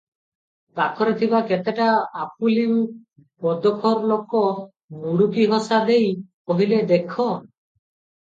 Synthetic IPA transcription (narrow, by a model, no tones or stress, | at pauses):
t̪akʰɔɾet̪ʰibaket̪eʈaap̚ulim | pɔd̪ɔkʰɔɾlokɔ | nuɽukiɦɔsad̪ej | ɔɦiled̪ekʰɔ